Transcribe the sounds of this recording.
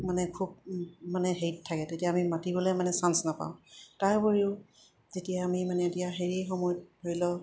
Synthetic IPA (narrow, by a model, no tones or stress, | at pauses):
manɛkʰub̚manɛɦejttʰːakɛtetijaːmimatibɔlejmanɛsansnapa̰ʊ̃taɹboɹiʊ | zetijaːmimanɛetijaɦeɹiexomɔjɔt̚hoɹilɔ